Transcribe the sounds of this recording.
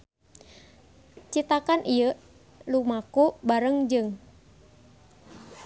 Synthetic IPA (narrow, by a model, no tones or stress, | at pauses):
t͡ʃit̪akanʔijə | lumakubaɾəŋd͡ʒɨŋ